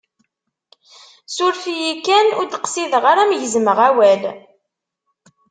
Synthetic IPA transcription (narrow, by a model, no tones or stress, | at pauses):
sʊɾfijikænʊɾd̪qsiðʁaɾæmʝəzməʁæwæl